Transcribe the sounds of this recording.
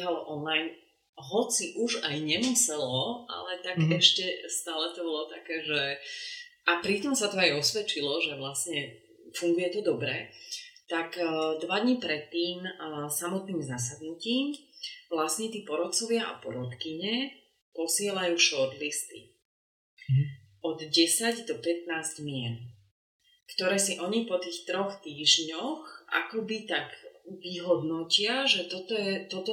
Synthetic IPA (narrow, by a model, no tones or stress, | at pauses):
ɦalɔʔɔnlajn | ɦɔt͡siʔuʒajɲɛmusɛlɔʔa̰lɛt̪aɡɛʃcɛst̪aːlɛt̪ɔbɔlɔt̪akɛːʒɛ | apɾit̪ɔmsat̪ɔajɔsʋɛt͡ʃilɔʒɛʋlasɲɛ | fuŋɡujɛt̪ɔd̪ɔbɾɛt̪akd̪ʋad̪ɲipɾɛt̪ːiːmsamɔt̪niːmzas̬ad̪nuciːmʋlasɲɛt̪iːpɔɾɔt̪t͡sɔʋɪaʔa̰pɔɾɔt̪kiɲɛ | pɔsɪɛlajuːʃɔɾt̪list̪ḭ | ɔd̪ɟɛsaɟd̪ɔpɛt̪naːzɟmɪɛn | kt̪ɔɾɛːsiʔɔɲipɔt̪iːxt̪ɾɔxt̪iːʒɲɔxʔa̰kɔbit̪aɡʋiɦɔd̪nɔcɪaʒɛt̪ɔt̪ɔjɛt̪ɔt̪ɔ